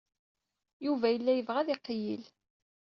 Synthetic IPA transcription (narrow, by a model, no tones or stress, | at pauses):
juvæjəlːæjəvʁæðiqːjḭl